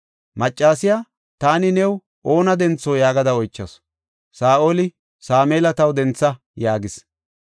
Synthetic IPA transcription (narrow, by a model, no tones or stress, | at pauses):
mɐt͡ʃʼːaːsɪjaː | t̪aːnɪnɛw | ʔo̞ːnɐd̪ɛnt͡sːoːjaːɡɐd̪ɐɔjt͡ʃːɐs | saːʔoːlɪ | saːmeːlɐt̪ɐwd̪ɛnt͡sːɐ | jaːɡɪs